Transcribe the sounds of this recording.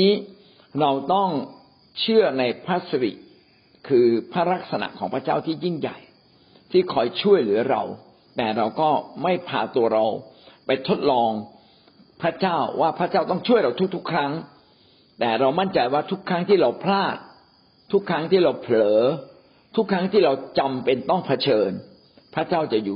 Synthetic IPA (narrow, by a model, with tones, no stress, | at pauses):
iː˦˥ | ɾa˧wt̪ɔ˥˩ŋ | t͡ɕʰɯ˥˩ɐəna˧jpʰɾa˦˥sa˧ɾḭ˨˩ | kʰɯː˧pʰɾa˦˥˩ɾa˦˥k̚sa˧na̰˨ʔkʰɔː˩˦ŋpʰɾa˦˥t͡ɕaː˥˩wt̪ʰiː˥˩ji˥˩ŋja̰˨˩j | t̪ʰiː˥˩kʰɔː˧jt͡ɕʰu˥˩əjlɯ˩˦ɐɾa̰˧w | t̪ɛː˨˩ɾa˧wkɔː˥˩ma˥˩jpʰaː˧t̪u˧ɐɾa˧wpa˧jt̪ʰo˦˥t̪̚lɔː˧ŋ | pʰɾa˦˥t͡ɕaː˥˩wwaː˥˩pʰɾa˦˥t͡ɕaː˥˩wt̪ɔ˥˩ŋt͡ɕʰu˥˩əjɾa˧wt̪ʰu˦˥k̚t̪ʰu˦˥kʰːɾa˦˥ŋ | t̪ɛː˨˩ɾa˧wma˥˩nt͡ɕa˧jwaː˥˩t̪ʰu˦˥kʰːɾa˦˥ŋt̪ʰiː˥˩ɾa˧wpʰlaː˥˩t̪̚ʰː | u˦˥kʰːɾa˦˥ŋt̪ʰiː˥˩ɾa˧wpʰlɤː˩˦ | t̪ʰu˦˥kʰːɾa˦˥ŋt̪ʰiː˥˩ɾa˧wt͡ɕa˧mpe˧nt̪ɔ˥˩ŋpʰa˧t͡ɕʰɤː˧n | pʰa˦˥t͡ɕaː˥˩wt͡ɕa˨˩ʔjuː˨˩